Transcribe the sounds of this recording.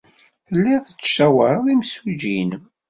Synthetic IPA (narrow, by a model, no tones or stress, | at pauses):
θəlːæθə̥t͡sːʃæwəɾˤðimsud͡ʒin